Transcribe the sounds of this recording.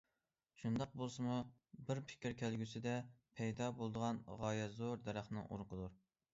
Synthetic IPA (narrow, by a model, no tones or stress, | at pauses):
t͡ʃʰund̪ɑq̚bolˠsɨmubɪɾpʰɪ̥kʲʰɾkʲʰælɡʲysɪd̪ɛpʰɛjd̪ɑbolˠd̪əʁɑnʁɑːjɛzoɾd̪ɛɾæχnɨŋʔo̰ɾqʰəd̪uɾ